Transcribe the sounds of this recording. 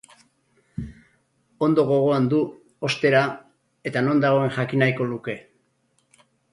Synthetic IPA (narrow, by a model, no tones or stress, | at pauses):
o̞nd̪o̞ɣ̞o̞ɣ̞o̞and̪u | o̞st̪e̞ɾa | e̞t̪ano̞nd̪aɣo̞e̞ŋʝakinajko̞luke̞